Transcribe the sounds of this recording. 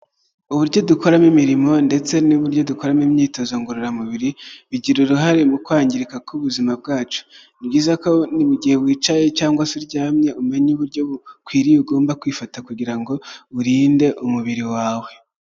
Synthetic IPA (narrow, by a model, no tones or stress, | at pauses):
uβuɾɟo̞duko̞ɾamimiɾimo̞nde̞t͡se̞nuβuɾɟo̞duko̞ɾamimɲiːto̞zoŋɡoɾoɾamuβiɾiβiɟiɾuɾuɦaɾemukwaːɲɟiɾikakʰuβuzimab̚ɡaːt͡ʃu̥ | bɟiːzako̞niβuɟiheβwiːt͡ʃaje̞t͡ʃaːŋɡwasiɾɟaːmɲe̞ume̞ɲuβuɾɟo̞kwiːɾiuɡo̞ːmbakwiːfatakuɟiɾaŋɡo̞βuɾiːnde̞ʔumuβiɾiwaːwe̞